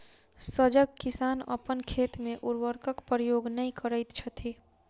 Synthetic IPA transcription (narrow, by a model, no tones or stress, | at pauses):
səd͡ʒəɡkɪsaːnə̰pənkʰeːt̪mẽʔʊɾʋəɾkəkpɾəjoːɡnəĩkəɾəɪt̪t͡ʃʰət̪ʰiː